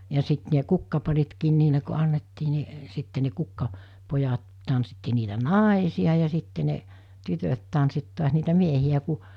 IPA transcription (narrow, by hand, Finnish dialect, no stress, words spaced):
jɑ sit ne kukːɑpɑritkiːn niːle ko ɑnːetːiː ni sitːe ne kukːɑ pojɑt tɑnsːitːi niːtæ nɑˑesiɑ jɑ sitːe ne tytøt tɑnsit tu̞ɑs niːtæ miehiæ ku